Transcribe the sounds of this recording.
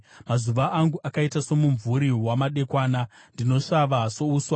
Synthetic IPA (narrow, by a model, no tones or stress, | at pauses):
mazuʋaʔaŋɡuʔakaitaso̞muɱvuɾiwamaɗe̞kwaːnandino̞ʂaʋaso̞uːswa